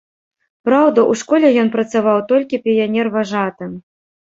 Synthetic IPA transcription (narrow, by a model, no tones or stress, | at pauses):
pɾawd̪ɐʔuʂkɔlʲɛjɔnpɾɐt̪savawt̪ɔlʲkʲipʲijanʲɛrvaʐat̪ɨ